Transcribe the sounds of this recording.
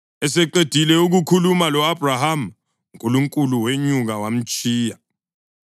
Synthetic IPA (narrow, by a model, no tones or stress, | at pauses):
ɛsɛǃed̥ʱilɛuɣ̬ukʰulumalɔab̥ʱraham | uŋkʼuluŋkʼuluweɲuɣawam̩t͡ʃʼʰiːja